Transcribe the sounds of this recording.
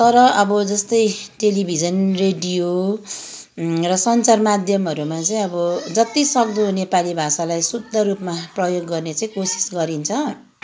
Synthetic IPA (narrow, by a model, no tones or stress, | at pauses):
t̪ʌɾʌʔʌbʌd͡zʌst̪ʌjʈelibʱid͡zʌnreɖijo | rʌsʌnt͡sarmad̪ʱjʌmʌɾumat͡saĩʌbʌd͡zʌt̪isʌkd̪unepalibʱasalajsud̪ʱːʌrupmaprʌjoɡːʌrnet͡saĩkosi̥sɡʌɾint͡sʰʌ